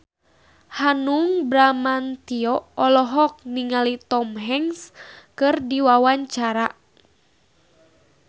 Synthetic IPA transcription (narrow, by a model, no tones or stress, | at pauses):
hanuŋbɾamant̪iɔɔlɔɦɔk̚niŋalit̪ɔmɦɛŋskɨrdiwawaɲt͡ʃaɾa